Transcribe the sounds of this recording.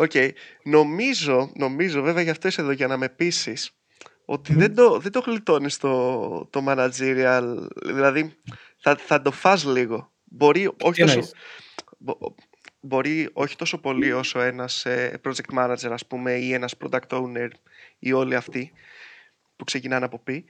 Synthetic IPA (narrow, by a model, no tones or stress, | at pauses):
o̞ce̞jno̞mizo̞no̞mizo̞ve̞veɐʝeɐft̪o̞iseðo̞ʝɐnɐme̞pisis | o̞̰t̪iðe̞d̪o̞ðed̪o̞xlit̪o̞nist̪o̞t̪o̞mɐnɐd͡ziɾiɐlðilɐði | θɐθɐd̪o̞fɐzliɣo̞ | bo̞ɾio̞çit̪oo | bo̞ɾio̞çi̥t̪o̞so̞po̞lio̞so̞e̞nɐsepɾo̞d͡ʒek̚t̪mɐnɐd͡ze̞ɾɐspume̞ie̞nɐspɾo̞d̪ɐkt̪ouneɾ | io̞liɐft̪i | pukse̞cinɐnɐpo̞bi